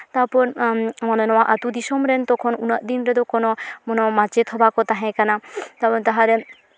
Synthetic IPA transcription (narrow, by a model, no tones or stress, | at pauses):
t̪apɔɾmɔnɔnɔwaʔat̪ud̪isɔmɾɛnt̪ɔkʰɔnunaʔ̚d̪inɾɛd̪ɔkɔnɔmɔnɔmat͡ʃet̪ʰɔbakɔt̪aɦɛ̃kanat̪apɔnt̪aɦaɾɛ